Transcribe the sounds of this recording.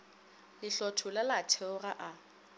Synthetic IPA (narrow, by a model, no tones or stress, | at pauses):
lɪɬɔtʰʊlalatʰɛʊraʔa